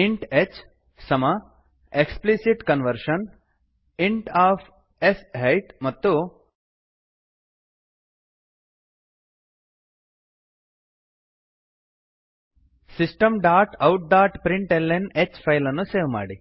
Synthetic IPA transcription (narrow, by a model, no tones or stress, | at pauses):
iɳʈet͡ʃ | sɐmɐ | eksplisiʈkɐnʋɐɾʂɐn | iɳʈaːpʰ | esɦɐjʈmɐt̪ːu | sisʈɐmɖaːʈɐwʈ̚d̪aːʈpɾiɳʈelːenet͡ʃpʰɐjlɐnːuseːʋma̰ːɽi